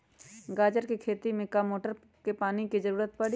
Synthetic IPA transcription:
ɡaːd͡ʒəɾkikʰeːt̪imẽkamoːʈəɾ | kepaːnikizəɾuːɾət̪pɐɽi

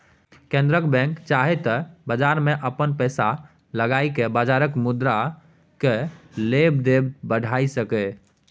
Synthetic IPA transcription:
kẽnd̪ɾəkbɛ̃ŋkt͡ʃaɦet̪ɔbəd͡ʒaɾmeʔəpənpəjsa | ləɡajkebad͡ʒaɾəkmud̪ɾa | kelebd̪ebbəɽ̤ʱaisəkɛ

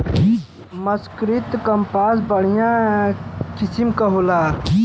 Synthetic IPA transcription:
mɐskɾit̪kɐmpaːs̬bəɽ̤ijã | kɪsimkɐɦolaː

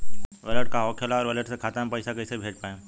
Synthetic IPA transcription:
ʋələʈ̚kaɦɔːkʰelaɔːɾʋələʈsekʰaːt̪ampɐɪsakɐɪsebʱeːt͡ʃpaːẽ

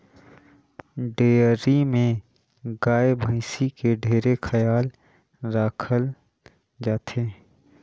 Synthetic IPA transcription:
ɖeːəɾimẽ | ɡaːebʱaɪsikeɖʱeːɾexʰəjaːl | ɾaːkʰəl | d͡ʒaːt̪ʰeː

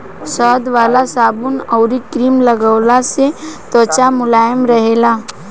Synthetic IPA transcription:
sɔːd̪ʋaːlasaːbʊnɔʊɾikɾiːmlɐɡəwlaset̪ɔt͡ʃamʊlaːjəmɾɐɦeːlaː

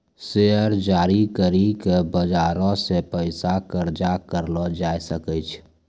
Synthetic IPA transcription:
seəɾd͡ʒaːɾikəɾikebəd͡ʒaːɾɔ̃sepəɪsakəɾd͡ʒakəɾlɔd͡ʒaːjsəkɛt͡ʃʰ

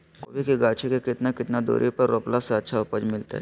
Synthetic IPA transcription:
ko̰ːbikeɡaːt͡ʃʰekekɪt̪nakɪt̪nad̪o̰ːɾʔipɐɾːoːplaseɐtːʃʰaɔpəd͡ʒmɪlt̪a̰ɦɛ

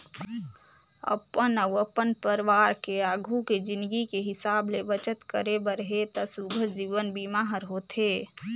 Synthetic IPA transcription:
ə̰pənəʊɐpənpəɾɪʋaːɾkeaːɡʱuked͡ʒɪ̃nd̪ɡikeɦɪsaːbleʋət͡ʃət̪kəɾebəɾɦet̪ɐsubʱəɾd͡ʒiːʋənbimaːɦəɾɦoːt̪eː

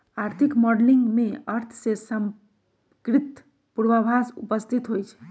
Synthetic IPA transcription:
aɾt̪ʰikmɔɖliŋɡmeəɾt̪ʰsesəm | kɾit̪ | puɾbəbʱasṵpəst̪ʰit̪ɦojt͡ʃʰ

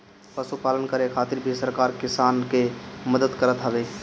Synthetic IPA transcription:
pəsupaːlənkəɾekʰaːt̪ɪɾbʱisəɾkaːɾkɪsaːnkeməd̪əd̪kəɾət̪ɦəbeː

